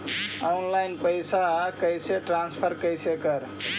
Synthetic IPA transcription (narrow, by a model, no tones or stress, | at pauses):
awnlajnpəjsakəjseʈɾanspʰəɾkəjsekəɾ